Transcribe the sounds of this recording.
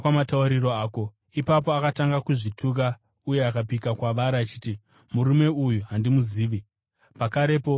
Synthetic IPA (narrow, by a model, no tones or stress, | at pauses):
wamatauɾiro̞aːko̞ | ipap̬o̞akataŋɡakuʐitʰuk̬a | uje̞akap̬ikakwaʋaɾaːt͡ʃiːti | muɾume̞ujuɦandimuziːʋi | pakaɾe̞po̞